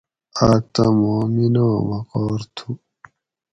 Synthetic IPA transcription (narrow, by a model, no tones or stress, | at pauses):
aːk̚t̪amoːminoːmaqɔːɾt̪ʰu